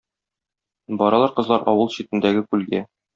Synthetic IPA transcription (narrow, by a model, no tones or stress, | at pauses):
bɒɾɑlˠɑɾqɤ̆zlˠɑɾʔɒ̰wɤlˠɕit̪ɘ̆nd̪æɡɘkʉlɡæ